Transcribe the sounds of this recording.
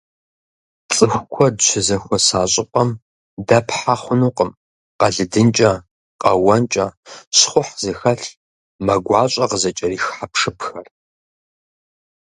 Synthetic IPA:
t͡sʼɨxʷkʷʰɔdʃʷʰɪzɐxʷɔsaːɕʼɪpʷʼɐm | dɐpħaχʷʊnuːqəm | qɐɮɨdɨnt͡ʃʼɐ | qʼɐwɐnt͡ʃʼɐɕχʷʊħzexɐɬ | mɐɡʷɑːɕʷʼɐqəzɐt͡ʃʼɐriːxħapʰʂɨpʰxɐr

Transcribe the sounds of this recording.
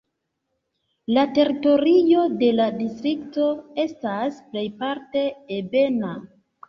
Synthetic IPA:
late̞ɾito̞ɾijo̞de̞ladistɾikto̞e̞stasple̞jpaɾte̞ːbe̞na

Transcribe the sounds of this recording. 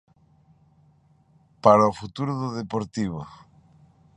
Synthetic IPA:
paɾaofut̪uɾʊðʊðepoɾt̪iβʊ

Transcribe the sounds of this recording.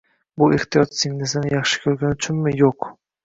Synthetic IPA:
bʊʔeχt̪ijɒt̪sɪɡʲnesɪnɪjɑχʃɪ̥kʲʰɵɾɡʲanʊt͡ʃʰʊnmɪjoq

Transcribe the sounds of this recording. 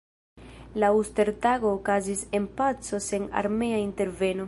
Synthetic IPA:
lauste̞ɾtaɡo̞ːkazise̞npat͡so̞se̞na̰ɾme̞ainte̞ɾve̞no̞

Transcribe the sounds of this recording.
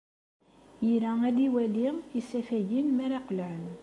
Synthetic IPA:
jəɾææd̪iwæliisæfæʝinmæɾæqəlʕən

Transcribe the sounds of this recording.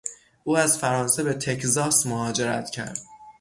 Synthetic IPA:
ʔuːæzfæɾɒːnsebe̞t̪ʰe̞czɒːsmohɒːd͡ʒe̞ɾæ̰t̪ʰcʰæ̰ɾd̪̥

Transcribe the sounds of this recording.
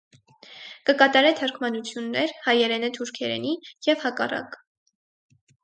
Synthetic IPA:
kəkɑt̪ɑɾɛt̪ʰəɾkʰmɑnut͡sʰjunːɛɾhɑjɛɾɛnət̪ʰuɾkʰɛɾɛ̰nijɛvhɑkɑ̰rɑ̰k

